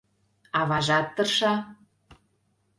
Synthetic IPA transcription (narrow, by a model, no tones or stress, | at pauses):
ɑβɑʒɑt̪ːɤ̆rʃɑ